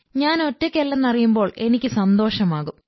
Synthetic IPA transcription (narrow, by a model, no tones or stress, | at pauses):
ɲaːno̞tːokʲːelːɐnːɐrijumbo̞ːɭe̞nikʲːɨsɐnd̪o̞ːʂɐmaːɣum